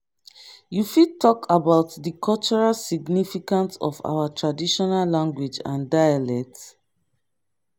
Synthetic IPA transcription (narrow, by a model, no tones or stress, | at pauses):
jufid̚tʰɔkʰabaʊtdəkʰɔlt͡ʃɔɹalsiɡnifikãntsɔ̰fa̰watʰɹadiʃɔnalːãŋɡwid͡ʒã̰ndajalɛk̚t